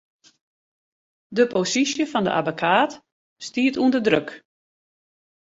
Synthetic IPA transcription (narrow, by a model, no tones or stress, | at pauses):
dəposisjəfɔndə̰ʔa̰bəkʰaːt | stiətuəndədrøk